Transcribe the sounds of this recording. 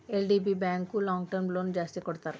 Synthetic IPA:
elɖibibɛŋkulɔŋɡʈəɾmlond͡ʑast̪ikoɾt̪aɾ

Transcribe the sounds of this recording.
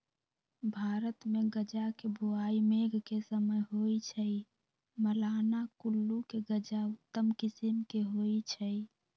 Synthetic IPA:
bʱaɾət̪meɡəd͡ʒakebʱuaimeɡʱkesəməjɦoit͡ʃʰəi | məlaːnakulːukeɡəd͡ʒaʊt̪ːəmkisimkeɦoit͡ʃʰəj

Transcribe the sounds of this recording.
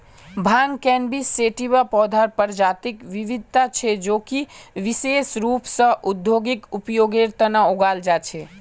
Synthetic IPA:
bʱankɛnbisːeʈibapɔd̪ʱaɾpəɾd͡ʒat̪ikʋiʋid̪̚ʱt̪at͡ʃʰɛd͡ʒoːkiʋisesɾupsə̃ʔud̪joɡikupjoɡeɾt̪ənaoɡald͡ʒat͡ʃʰe

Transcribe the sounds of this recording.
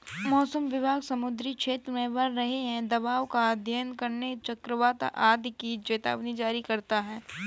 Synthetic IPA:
mɔːsəmʋɪbʱaːɡsɐmʊd̪ɾikʃʰeːt̪ɾmẽʋɐɾɾɐɦeɦɛ̃d̪ɐbaːʋkad̪ʱjənkɐɾnet͡ʃɐkɾəʋaːt̪ʔaːd̪ʱkit͡ʃeːt̪a̰ːʋnid͡ʒaːɾikɐɾt̪aɦɛː

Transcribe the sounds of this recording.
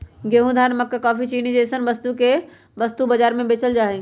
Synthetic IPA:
ɡeɦũd̪ʱaːɾnməkːkaːfit͡ʃiːñid͡ʑeːsənʋəst̪uke | ʋɐst̪ubɐd͡ʒaːɾmẽbeːt͡ʃəld͡ʒaːɦe

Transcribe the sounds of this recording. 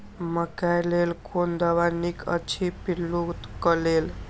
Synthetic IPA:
məkajlelkʰond̪aʋanikʰə̰t͡ʃʰipilːut̪kəlel

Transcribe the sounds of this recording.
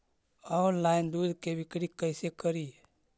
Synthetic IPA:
ɔnlaɪnd̪ud̪ʱkebʱikɾikəɪsekəɾi

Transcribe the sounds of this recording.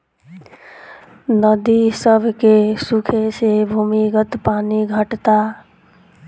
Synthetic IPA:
nəd̪isəbʱkesukʰesebʱumiɡət̪paniɡʱəʈt̪a

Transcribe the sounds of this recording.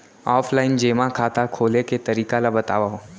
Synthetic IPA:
ɔːpʰlaːɪnd͡ʒeːmãkʰaːt̪akʰoːleket̪ɐɾiːkalabɐt̪aːʋaɦoː

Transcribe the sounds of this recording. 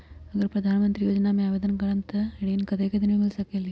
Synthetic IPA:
ɐɡɐɾpɾɐd̪ʱaːnɐmɐnt̪ɾijoːd͡ʒɐnaːmeaːʋed̪ɐnɐɡɐɭɐnt̪ɐɐɽeinːkɐd̪ekɐd̪inemiɭsɐkeli

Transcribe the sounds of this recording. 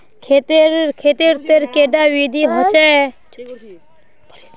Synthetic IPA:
kʰet̪ɾkʰeːt̪iɾt̪eɾkeːɖaːʋiːd̪ʱiːɦət͡ʃe

